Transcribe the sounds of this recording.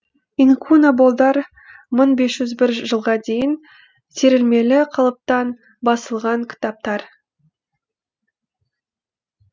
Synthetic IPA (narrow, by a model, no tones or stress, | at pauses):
iŋkʰunabolˠd̪ɑɾ | məɴbe̞sʒ̥ʏzbɪɾʒəlˠʁɑd̪e̞jɪn | sʰeɾɪlme̞lɪqʰɑlˠəp̚t̪ɑn | bɑsəlˠʁɑŋkʲʰɪ̥t̪ɑp̚t̪ɑɾ